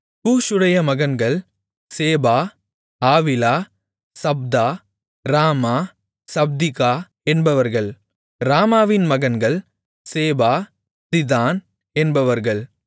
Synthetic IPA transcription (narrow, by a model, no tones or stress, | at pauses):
puːʂʊɽɐjɐmɐɣɐnɡɐɭ | seːbaː | aːʋɪlaː | sɐb̚d̪aː | ɾaːmaː | sɐb̚d̪ɪɣaː | ɛnbɐʋɐɾɣɐɭ | ɾaːmaːʋɪnmɐɣɐnɡɐɭ | seːbaː | sɪðaːn | ɛnbɐʋɐɾɣɐɭ